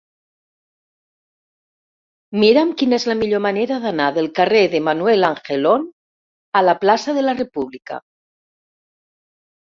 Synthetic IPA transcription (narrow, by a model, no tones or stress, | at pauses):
miɾamkinezlamiʎomaneɾaðanaðelˠkareðemanwelaŋxelon | alaplasaðelarepuβlika̰